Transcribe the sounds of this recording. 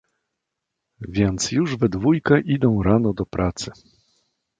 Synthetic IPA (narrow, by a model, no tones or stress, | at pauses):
vʲjɛnt̪sjuʐvɛd̪vujkɛʔid̪ɔ̃w̃ɾanɔd̪ɔpɾʔat̪sɘ